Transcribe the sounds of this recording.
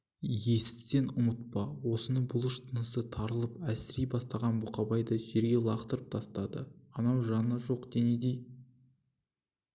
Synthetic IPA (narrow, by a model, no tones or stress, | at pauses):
je̞sɪt̪e̞nʊmət̪̚pɑwo̞sənəɴbʊlˠəʃt̪ʰənəsət̪ʰɑɾəlˠəpæsɪɾijbɑst̪ɑʁɑnbuqɑbɑjd̪əʒe̞ɾɡʲe̞lˠɑqt̪əɾəp̚t̪ʰɑst̪ɑd̪ə̰ɑnɑwʒɑnəʒo̞qd̪ened̪ej